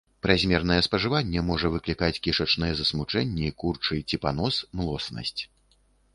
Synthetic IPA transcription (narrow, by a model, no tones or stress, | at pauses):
pɾazʲmʲɛrnɐjɛspɐʐɨvanʲːɛmɔʐɐvɨklʲikat͡sʲkʲiʂɐt͡ʂnɐjɛzɐsmut͡ʂɛnʲːɛikurt͡ʂɨjt͡sʲipanɔsmlˠɔsnɐ̰sʲt͡sʲ